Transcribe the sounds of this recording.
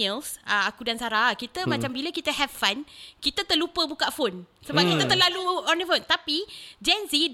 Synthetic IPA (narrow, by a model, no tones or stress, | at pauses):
əlsəakudansaɾakit̪əmat͡ʃambiləkit̪əɦɛvfankit̪ət̪əlupəbukaʔfonsəbapkit̪ət̪əlaluɔnifont̪apid͡ʒɛnsi